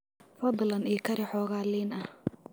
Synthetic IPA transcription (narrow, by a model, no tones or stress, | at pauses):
fɐd̪lɐniːkʰɐɾɪħɔːɣaːliːnɐh